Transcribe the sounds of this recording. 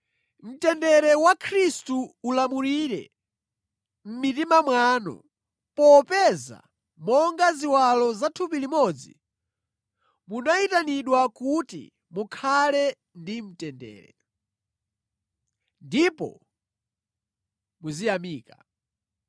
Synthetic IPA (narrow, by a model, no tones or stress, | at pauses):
m̩tɛndɛɾɛwakʰɾistuːlamuɾiɾɛ̰ | m̩mitimamwaːnɔ̰ | pɔpɛza̰ | mɔŋɡaziwalɔzatʰupilimɔd͡zḭ | munaitaniɗwakutḭ | mukʰalɛ | ndim̩tɛndɛ̰ːɾɛ̰ | ndipɔ̰ | muzijamiːka